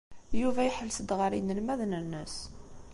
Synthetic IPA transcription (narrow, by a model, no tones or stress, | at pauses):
juvæjħəlːsəd̪ʁəɾinəlmæðnənːəs